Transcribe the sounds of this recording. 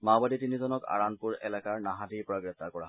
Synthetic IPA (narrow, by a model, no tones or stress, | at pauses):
mabaditinizɔnɔka̰ɹanpuɹɛ̰lakaɹnaɦadiɹpɔɹaɡɹɛp̚t̪ːaɹkɔɹa̰ɦ